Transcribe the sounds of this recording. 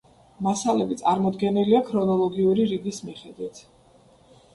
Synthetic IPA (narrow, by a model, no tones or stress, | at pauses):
masalɛbit̪sʼaɾmɔd̪ɡɛniliakʰɾɔnɔlˠɔɡiuɾiɾiɡismiχɛd̪wit̪ʰ